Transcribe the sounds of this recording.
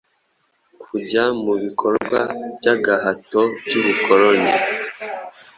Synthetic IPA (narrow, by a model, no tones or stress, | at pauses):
kʰuɟamuβikʰoɾɡwa̰bjaɡahatobjuβukoɾoni